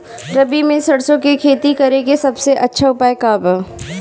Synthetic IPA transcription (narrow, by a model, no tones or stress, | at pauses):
ɾɐbimẽsɐɽsõkekʰeːt̪ikɐɾeɡesɐbseʔɐtːʃʰaʊpaːekaːbə